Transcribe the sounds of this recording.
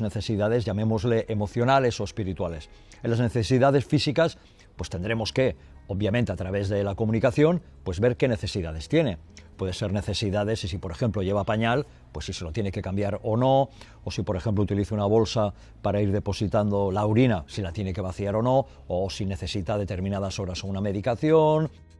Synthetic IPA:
ne̞θe̞siðað̞e̞zʝame̞mo̞zle̞ʔemo̞θjo̞nale̞so̞espiɾit̪wale̞s | enlazne̞θe̞siðað̞e̞sfisikas | pwe̞st̪e̞nd̪ɾe̞mo̞ske̞ | oβ̚jamẽnt̪eat̪ɾaβe̞zðe̞lako̞mũnikaθjo̞n | pwe̞zβe̞ɾke̞ne̞θe̞siðað̞e̞st̪je̞ne̞pwe̞ð̞eseɾne̞θe̞siðað̞e̞sisipo̞ɾe̞xe̞mploʝe̞β̞apaɲal | pwe̞sːiselot̪je̞ne̞ke̞kambjaɾono̞ | osipo̞ɾe̞xe̞mp̬lout̪iliθeunaβ̞o̞lsa | paɾaiɾð̞e̞po̞sit̪and̪o̞lawɾinasilat̪jene̞ke̞βaθiaɾo̞no̞ | osine̞θe̞sit̪að̞e̞t̪e̞ɾmĩnaðaso̞βɾasouname̞ðikaθjon

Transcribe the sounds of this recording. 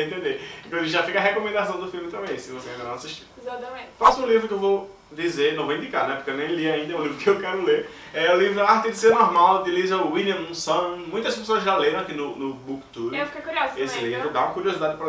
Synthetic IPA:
ẽt̪̬ẽd̪eẽkẽʒafikɐɦɛkomẽnd̪asɐ̃w̃d̪ʊfilˠmɪt̪ɾɐ̃bẽj̃ɐ̃sĩvoseĩd̪ɐnɐ̃w̃asiʃt͡ʃĩezat̪ɐmẽasuũlivɾʊkɪewvow | d͡ʒ̪izeɾnɐ̃w̃vowĩd̪ikaɾnɛpo̥ɾkewnẽj̃liaĩd̪ɐũlivɾʊkɪewkɛɾʊleɾ | ɛulivɾʊaɾt̪ɪd̪ɪseɾnɔɾmawd̪ilizɐwiliɐ̃ũsɐ̃mũj̃t̪ɐspesoɐzʒaleɾɐ̃akinʊnʊbukt̪uɾewfikejkuɾiozesɪlivɾʊd̪aũmɐkuɾiozid̪ad͡ʒɪpɾɐ

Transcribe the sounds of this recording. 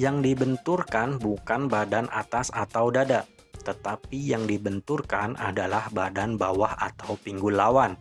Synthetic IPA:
jaŋdibənt̪urkanbukanbadana̰t̪asat̪awdada | t̪ət̪apijaŋdibənt̪urkanʔa̰dalahbadanbawaha̰t̪awpiŋɡulawan

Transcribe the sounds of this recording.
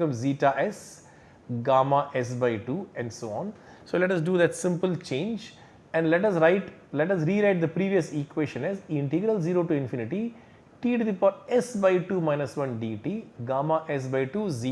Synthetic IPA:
kʌ̃mziːʈaʔɛs | ɡaːmaʔɛs̬baɪʈuːɛ̃ɳɖsoːɔ̃ːn | soːlɛʈɐs̬ɖuːd̪ɛʈsɪ̃mpəlt͡ʃẽːnd͡ʒ | ɛ̃ɳɖlɛʈɐsɾaɪʈ | lɛʈɐs̬ɾiːɾaɪʈ̚d̪əpɾiːʋiəsikweːʃə̃nɛzɪ̃ɳʈɪɡɾəlziːɾoːʈuɪ̃nfinɪʈi | ʈiːɖd̪ifɔːɾɛsbaɪʈuːmãɪnəsʋʌ̃nɖiːʈiːɡaːmaʔɛs̬baɪʈuːzi

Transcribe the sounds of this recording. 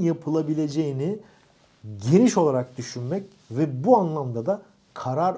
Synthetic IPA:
japʰɯlˠabilʲe̞d͡ʒe̞jini | ɟe̞niʃo̞lˠaɾak̚d̪yʃynmɛc | vɛbuanlˠamd̪ad̪a | kʰaɾaɾ

